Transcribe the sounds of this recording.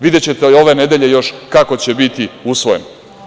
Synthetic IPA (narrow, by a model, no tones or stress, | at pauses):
ʋid̪et͡ɕe̞t̪eo̞ʋene̞d̪e̞ʎe̞jo̞ʃkako̞t͡ɕe̞bit̪iusʋojen